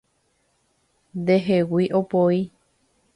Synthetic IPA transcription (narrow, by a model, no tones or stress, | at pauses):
nd̪eɦewiʔopoi